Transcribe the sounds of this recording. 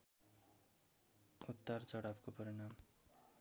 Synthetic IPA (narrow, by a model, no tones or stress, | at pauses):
ut̪ːart͡sʌɽapkopʌɾʌnam